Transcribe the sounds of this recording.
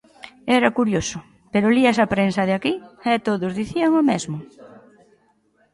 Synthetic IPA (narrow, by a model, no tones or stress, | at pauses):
ɛɾɐkuɾjosʊ | peɾʊliɐsapɾensɐðɪakiɛt̪oðʊzðiθiɐŋomɛzmʊ